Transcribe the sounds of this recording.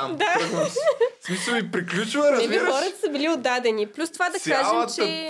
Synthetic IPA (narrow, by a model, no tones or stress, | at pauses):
d̪a | smisəlˠipɾiklʲut͡ʃivəɾɐɛixɔɾɐt̪ə̥sɐbilʲiod̪ːad̪ɛniplʲust̪ovad̪ɐkaʒɛmtt͡ʃɛ